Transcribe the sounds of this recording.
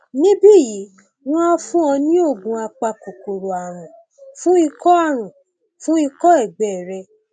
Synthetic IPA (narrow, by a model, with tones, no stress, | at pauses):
nĩ˦bi˦˨ji˨˦ | w̃ɔ̃˦ɔ˧˦fũ˦ɔ̃˧nĩ˦o˦˨ɡ͡bũ˧a˧k͡pa˧ko˨ko˨ɾo˨a˨ɾ̃ũ˨ | fũ˦i˧kɔ˦a˦˨ɾ̃ũ˨ | fũ˦i˧kɔ˦ɛ˦˨ɡ͡bɛ˨ɾɛ˧